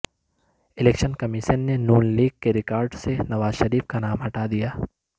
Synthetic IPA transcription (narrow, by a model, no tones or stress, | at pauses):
ɪleːkʃənkɐmɪʃənːenuːnliːɡ̚keɾɪkaːɾɖsenɐʋaːzʃɐɾiːfkanaːmɦɐʈad̪ijaː